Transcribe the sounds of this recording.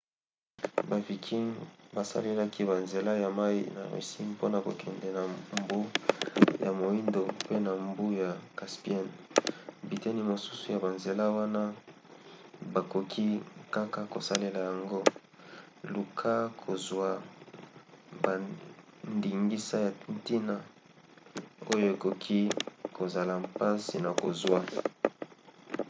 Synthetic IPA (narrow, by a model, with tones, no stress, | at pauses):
ba˨vi˨kʰi˦ŋba˨sa̰˦le˦la˦kʰi˦ba˨nze˨la˦ja˨ma˦ḭ˦na̰˨ʁḭ˨si˦ŋpo˦na˨ko̰˨kɛ˨ndɛ˨na˨mbu˦ | ja˨mo˨i˦ndo˨pe˦na˨mbu˦ja˨ka˨spi˦ɛ˦˨n | bi˨tɛ˦ni˦mo˨su˦su˨ja˨ba˨nze˨la˦wa˦na˦ | ba˨ko˨kʰi˦ka˦ka˨ko˨sa˦le˨la˨ja˨ŋɡo˦ | lu˨kʰa˦kʰo˨zwa˨ | ba˨ | ndi˨ŋɡi˦sa˦ja˨nti˦na˨ | o˦jo˦e˨ko˨kʰi˦ko˨za˨la˨pa˦si˨na˨ko˨zwa˦